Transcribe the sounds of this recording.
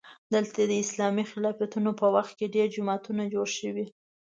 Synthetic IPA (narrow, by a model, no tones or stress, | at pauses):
d̪əlt̪ad̪əɪslɑmixɪlɑfat̪unopəwaxt̪̚keɖeɾd͡ʒʊmɑt̪unad͡ʒoɽʃəwi